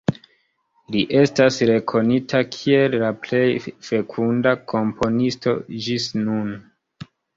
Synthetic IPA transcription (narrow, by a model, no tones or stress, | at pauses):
liʔe̞stasɾe̞kʰo̞nitʰakʰie̞lːaple̞jfe̞kʰundakʰo̞mpʰo̞nisto̞̰d͡ʒisnun